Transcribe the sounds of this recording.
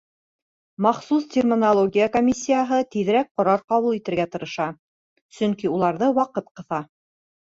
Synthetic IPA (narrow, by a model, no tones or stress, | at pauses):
mɑχsust̪ʲermʲɪnɐlˠoɡʲijakomʲisʲːijaɦɤt̪iðɘ̆ɾæk̚qŏɾɑɾqɑβulˠit̪ɘ̆ɾɡæt̪ɤ̆ɾɤ̆ʃɑ | sɵŋkiulˠɑɾðɤwɑqɤt̪qɤ̆θɑ